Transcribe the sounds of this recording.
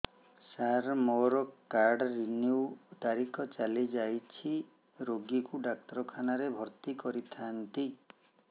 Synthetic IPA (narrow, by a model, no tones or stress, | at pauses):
saɾmɔɾɔkaɾɖɾiniuwt̪aɾikʰɔt͡ʃalid͡ʒajt͡ʃʰi | ɾoɡikuɖak̚t̪ɔɾɔkʰanaɾebʱɔɾt̪ikɔɾit̪ʰant̪i